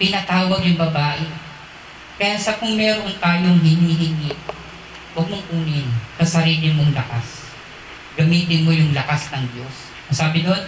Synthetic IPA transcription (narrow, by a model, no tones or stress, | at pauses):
pɪnɐt̪aːwɐɡjʊŋbɐbaːʔɪ | kɐjaːsɐkʊŋmɛːɾot̪aːjoŋhɪniːɦɪni | wɐɡ̚moŋʔuːnɪnsɐsɐɾiːlɪmoŋlɐkas | ɡɐmiːt̪ɪnmojʊŋlɐkasnɐŋd̪jo̞s | nɐsaːbɪd̪on